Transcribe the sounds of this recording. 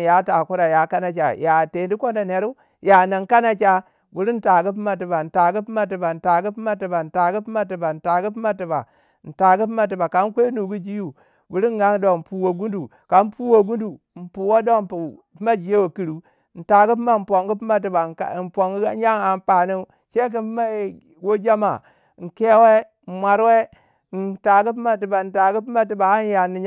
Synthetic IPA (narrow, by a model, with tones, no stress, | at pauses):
ja˦ta˨ku˦ɾa˨ja˨ka˦na˨t͡ʃa̰˨ja˨te˨ndi˦ko˦nda˨ne˨ɾu˦ | ja˨na˨ŋ˦ka˦na˦t͡ʃa˦ | bu˨ɾi˦n̩˦ta˨ɡi˦p̬i˦ma˦t̬i˨ba˨n̩˨ta˨ɡi˦pi˦ma˦t̬i˨ba˨n̩˨ta˨ɡi˦pi˦ma˦ti˨ba˨n̩˨ta˨ɡi˦pi˦ma˦t̬i˨ba˨n̩˨ta˨ɡi˦pi˦ma˦ti˨ba˨ | n̩˨ta˨ɡi˦p̬i˦ma˦t̬i˨ba˨ka˨˦n˦kʷe˦nu˨ɡu˦d͡ʒi˦ju˦ | bu˨ɾi˦n˦ɡa˦ŋ˦do˦˨pu˨wo˨ɡu˦ndu˨ | ka˨˦m˦pu˦wo˨ɡu˦du˨m̩˨pu˨wo˦do˦m˨p | pi˦ma˦d͡ʒi˨je˦wo˨ki˨ɾu˦ | n̩˨ta˨ɡi˦pi˦ma˦˨m̩˨po˨ŋɡi˦pi˦ma˦t̬i˨ba̰˨n˨po˨ŋɡja˦ŋa˨m˦pa˨ni˦ | t͡ʃe˦k̬i˦pma˦˨ | wo˦d͡ʒa˦ma̰˨ | ŋ̩˨ke˦we˦ | n̩˨mʷa˨ɾwe˦ | n̩˨ta˨ɡi˦p̬i˦ma˦ti˨ba˨n̩˨ta˨ɡi˦p̬i˦ma˦t̬i˨ba˨a˦n˦ja˨ni˨ɲ˦